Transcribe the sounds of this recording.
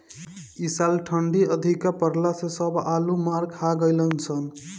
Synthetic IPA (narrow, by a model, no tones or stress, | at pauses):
isalʈʰəɳɖiəd̪ʱikapəɾlasesəbʱalumaɾkʰaɡəjlənt͡ʃʰən